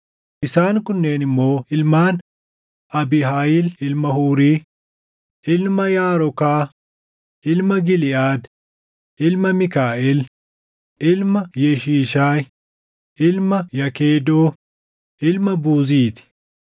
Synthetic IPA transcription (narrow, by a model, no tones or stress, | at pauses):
ʔɪsaːŋkʊnːe̞ːnɪmːo̞ːʔɪlmaːn | ʔɐbɪɦaːjɪlɪlmɐhuːɾiː | ʔɪlmɐjaːɾɔkaː | ʔɪlmɐɡɪlɪʔaːd̪ | ʔɪlmɐmɪkaːʔɛl | ʔɪlmɐjɛʃiːʃaːj | ʔɪlmɐjɐkeːd̪oː | ʔɪlmɐbuːziːt̪ɪ̥